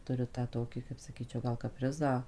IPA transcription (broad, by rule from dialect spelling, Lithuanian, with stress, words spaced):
ˈtʊrʲɪ tɑː ˈtoːkʲɪ kɐɪp sɐˈkʲiːt͡ʃʲɛʊ ɡɐlˠ kɐˈpʲrʲɪzɑː